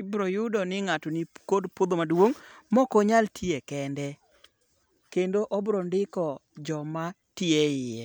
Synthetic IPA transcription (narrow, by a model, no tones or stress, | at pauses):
bɾojʊdɔnɪŋatɔnikodpod̪omadwoŋmɔkɔɲaltʰiekɛndɛ | kendoʔɔbɾondɪkɔd͡ʒɔma | tɪeɪjɛ